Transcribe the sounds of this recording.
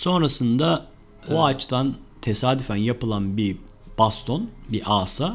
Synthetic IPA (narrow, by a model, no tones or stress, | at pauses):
so̞nɾasɯnd̪a | oat͡ʃt̪ʰant̪ʰesaːd̪yfænjapɯlˠanbi | b̥ast̪ʰo̞nbiʔaːsa